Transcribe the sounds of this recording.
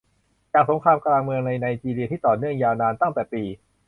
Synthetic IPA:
t͡ɕaː˨˩k̚so˩˦ŋkʰɾaː˧mkɾaː˧ŋmɯ˧əŋna˧jnaː˧jt͡ɕiː˧li˧t̪ʰiː˥˩t̪ɔː˨˩nɯ˥˩əŋjaː˧wnaː˧nt̪a˥˩ŋt̪ɛː˨˩piː˧

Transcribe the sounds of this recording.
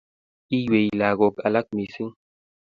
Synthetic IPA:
i˦jwe˨ila˨ɣo˨ka˨la˦k̚mi˨si˦ŋ

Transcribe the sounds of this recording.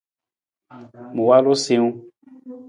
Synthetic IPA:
mũ˨wa˦lo˦se˦ŋũ˦

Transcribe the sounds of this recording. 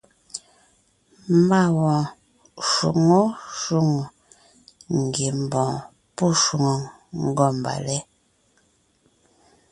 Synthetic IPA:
m˦ba˦wɔ̃˨ | ʃṵ˨ŋo˦ʃu˦˨ŋu˨ | ŋ̩˨ɡe˨m˨bɔ̃˨ | pu˦˨ʃu˨ŋo˨ŋ | ŋ̩˦ɡɔ˦˨m˨ba̰˨lɛ˦

